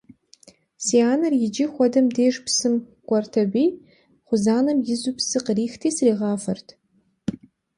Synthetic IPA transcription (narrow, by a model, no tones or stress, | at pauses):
siaːnɐrjɪd͡ʒɪχʷɔdɐmdeːʒpsɨm | kʷʼɔrtʰɐbʷij | χʷʊzaːnɐmjɪzupsɨqriːxtʰiːsriːʁɑːfɐrtʰ